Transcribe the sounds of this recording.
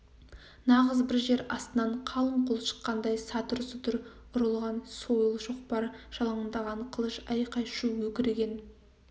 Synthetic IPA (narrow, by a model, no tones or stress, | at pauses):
nɑʁəzbɪɾʒe̞ɾɑst̪ənɑɴqʰɑlˠəmqʰolˠʃə̥qːɑnd̪ɑjsɑt̪ʊɾsət̪ʰʊɾ | ʊɾəlˠʁɑnso̞jəlˠʒoqpɑɾʒ̥ɑlˠɑɴənd̪ɑʁɑɴqʰəlˠəʃɑjqɑjʃuwɵkʲɪɾeɡʲe̞n